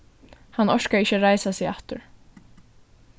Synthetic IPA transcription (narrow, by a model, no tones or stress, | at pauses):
hanːɔʃkaɪçːəɾajsasɪaht̪ʊɹ̥